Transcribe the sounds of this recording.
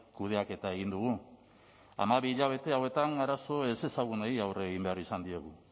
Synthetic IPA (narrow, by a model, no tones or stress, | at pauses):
kuð̞e̞ake̞t̪ae̞ɣ̞ind̪uɣu | a̰maβiːʎaβ̞e̞t̪e̞awe̞t̪aŋaɾaso̞ese̞saɣunaiawreɣimbe̞arisand̪ie̞ɣu